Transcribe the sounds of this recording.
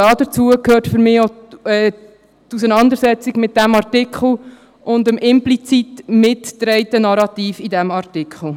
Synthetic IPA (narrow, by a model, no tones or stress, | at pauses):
ɑːdət͡suəkʰhøːrtfʏɾmɪoɛː | tusənɑnd̪əɾsɛt͡siɡmɪt̚d̥æmɑɾtikχl̩ˠ | ʔʊndəmɪmplit͡sitmɪtːɾɛɪtənɑɾɑtiːfidɛmɑɾtikχl̩